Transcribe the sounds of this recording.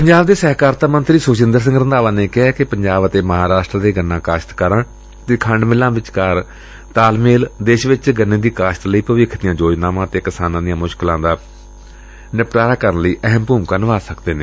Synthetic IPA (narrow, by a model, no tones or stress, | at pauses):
pəɲd͡ʒaːbd̪eːsɛːɦkaːɾt̪aːmənt̪ɾiːsʊːt͡ʃɪnd̪əɾs̬ɪ̃ŋɡɾənd̪aːʋãːneːkɪɦɛːkɪpəɲd͡ʒaːbət̪eːməɦaːɾaːʃʈɾːd̪eːɡənːãːkaːʃt̪kəɾãː | t̪eːkʰəɳɖmɪlãːʋɪt͡ʃkəɾ | t̪aːlmeːld̪eːʃʋɪt͡ʃɡənːeːd̪iːkaːʃt̪ləiːpəʋɪkʰd̪ɪjãːd͡ʒoːd͡ʒnaːʋãːt̪eːkɪsaːnãːd̪ijãːmʊʃklãːd̪aː | nɪpʈaːɾaːkəɾənləiːʔəɦəmpuːmkənʋaːsəkd̪eːnẽː